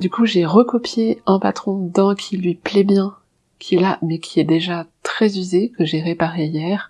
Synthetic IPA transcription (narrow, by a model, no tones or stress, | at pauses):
d̪ykuʒeʁəkɔpjeɛ̃pat̪χɔ̃d̪ɛ̃kʲʰilɥiplɛbjɛ̃ | kʰʲiɛlamɛkʲiɛd̪eʒat̪χɛzyzekəʒeʁepaʁejɛːʁ